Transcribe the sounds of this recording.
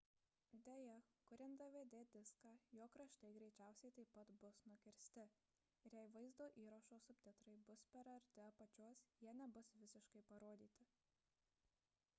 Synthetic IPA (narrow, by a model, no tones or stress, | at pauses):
d̪ʲeːjɛkʊɾʲɛnd̪ɐʋʲeːd̪ʲeːd̪ʲɪskɑːjoːkɾɐʃt̪ɐɪɡɾʲɛɪt͡ʃʲæˑʊsʲɛɪt̪ɐɪpɐt̪bʊsnʊkʲɪɾʲsʲt̪ʲɪ | ɪɾjɛɪʋɐɪzd̪oːʔiːɾɐʃoːsʊpʲt̪ʲɪt̪ɾɐɪbʊspʲɛɾɐɾʲt̪ʲɪpɐt͡ʃʲoːsjiɛnʲɛbʊsʋʲɪsʲɪʃkɐɪpɐɾoːd̪ʲiːt̪ʲɪ